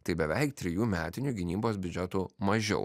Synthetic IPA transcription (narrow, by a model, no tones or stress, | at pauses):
t̪ɐɪbʲɛʋʲɛɪkt̪ʲɾʲɪjuːmʲæːt̪ʲɪnʲuɡʲɪnʲiːboːsbʲʊd͡ʒʲɛt̪umɐʒʲɛ̰ʊ